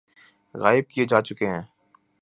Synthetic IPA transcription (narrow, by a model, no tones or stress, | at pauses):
ɣa̰ːɪb̚kijed͡ʒaːt͡ʃʊkeɦɛ̃ː